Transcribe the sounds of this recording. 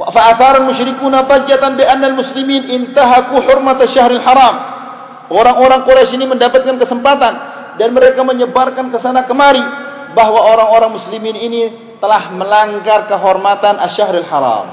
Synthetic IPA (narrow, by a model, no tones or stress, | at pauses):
faaθaɾalmʊʃɾikunat̪ad͡ʒat̪anbianːalmuslimiːnɪnt̪aɦakuħʊrmat̪aʃːaɦɾalħaɾɑːm | ʔoɾaŋoɾaŋkoɾasiniməndapat̪̚kankəsəmpat̪an | danməɾekaməɲəbarkankəsanakəmaɾi | baɦwaoɾaŋoɾaŋmusliminini | t̪əlahməlaŋɡarkəɦɔrmat̪anaʃaɦɾalħa̰ɾɑ̰ːm